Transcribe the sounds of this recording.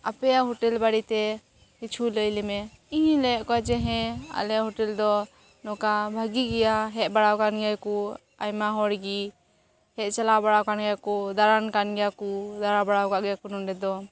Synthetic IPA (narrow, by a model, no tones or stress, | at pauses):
apɛjaɦɔʈɛlbaɽit̪ɛ | kit͡ʃʰuləjlɛmɛ | iɲlɛɛʔkɔad͡ʒɛɦɛ̃a̰lɛaɦɔʈɛld̪ɔ | nɔkabʱaɡiɡɛjaɦɛʔ̚baɽawkanɡɛjku | ajmaɦɔɽɡi | hɛʔt͡ʃalabaɽawkanɡɛjakud̪aɾankanɡɛjakud̪aɾabaɽawkaʔɡɛjakunɔnɖɛd̪ɔ